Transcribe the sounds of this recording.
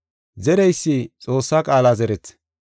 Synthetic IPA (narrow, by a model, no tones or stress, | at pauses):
zɛɾɛjsːɪt͡sʼo̞ːsːaːkʼaːlazɛɾɛt͡sː